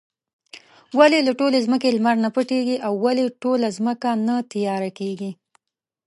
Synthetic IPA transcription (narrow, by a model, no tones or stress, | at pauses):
walelaʈolezməkelmaɾnapəʈeɡiʔawːaleʈolazməkanat̪ijɑɾakeɡi